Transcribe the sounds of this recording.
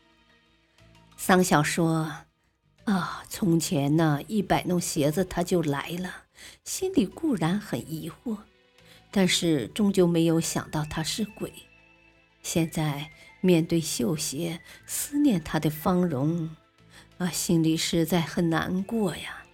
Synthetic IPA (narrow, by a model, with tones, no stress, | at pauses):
sa˥nɕjɑ˨˩ʊʂwɔ˥ | ə˧˩t͡sʰʊ˧˥ŋt͡ɕʰjɛ˧˥nːə˧i˥˩pa˨˩ɪnʊ˥˩ɕjɛ˧˥d͡zə˧t̪ʰa˥t͡ɕjo˥˩ʊla̰˧˥ɪlə˧ɕi˥nli˨˩ku˥˩ɻa˧˥nxə˨˩ni˧˥xwɔ˥˩ | t̪a˥˧nʂɻ̩˥˩ʈ͡ʂʊ˥ŋt͡ɕjo˥˩ʊme˧˥ɪjo˧˥ʊɕjɑ̰˨˩ŋt̪ɑ˥˩ʊt̪ʰa˥ʂɻ̩˥˩kwe˨˩˦ɪ | ɕjɛ˥˧nt͡sa˥˧ɪmjɛ˥˧nt̪we˥˧ɪɕjo˥˩ʊɕjɛ˧˥sɹ̩˥njɛ˥˩nt̪ʰa˥d̪ə˨fɑ˥ŋɻʊ˧˥ŋ | ə˧˩ɕi˥nli˨˩ʂɻ̩˥˧t͡sa˥˩ɪxə˨˩nna̰˧˥nkwɔ˥˩ja˩